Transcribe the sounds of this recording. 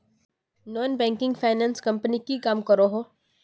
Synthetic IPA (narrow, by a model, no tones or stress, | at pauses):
nɔːnbɛ̃ːŋkɪ̃ŋɡfʰaːɪnãːnskɐ̃mpnikikaːmkɐɾoɦoː